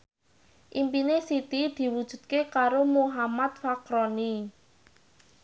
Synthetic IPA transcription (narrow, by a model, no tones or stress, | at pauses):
ʔimpinesit̪id̪̥i̤wud̥ʒ̥ṳd̪̚kekaɾomoɦamat̪̚fakɾɔni